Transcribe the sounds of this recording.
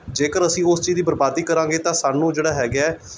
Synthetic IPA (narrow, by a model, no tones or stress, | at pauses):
d͡ʒeːkəɾəsĩːʊst͡ʃiːziːbəɾbaːd̪iːkəɾãːɡeːt̪ãːsaːnũːd͡ʒeːɽaːɦɛːɡɛː